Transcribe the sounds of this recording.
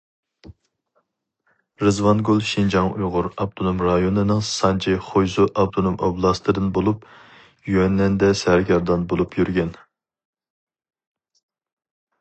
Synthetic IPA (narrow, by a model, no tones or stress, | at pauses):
ɾɨzwɑnɡulˠʃind͡ʒɑŋujʁʊɾɑb̚t̪ʰonomɾɑjonɨnɨŋsɑnt͡ʃʰiχojzuʔɑb̚t̪ʰonomʔoblˠɑst̪ʰɨd̪ɨnbolˠup | jyɛnlɛnd̪ɛsɛɾɡʲɑɾd̪ɑnbolˠupjyɾɡʲɛn